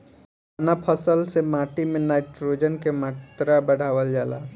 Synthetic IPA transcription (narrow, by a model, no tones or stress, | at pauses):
napʰəsəlsemaːʈimẽnaːɪʈɾoːd͡ʒənkemaːt̪ɾabɐɽ̤aːʋəld͡ʒaːla̰ː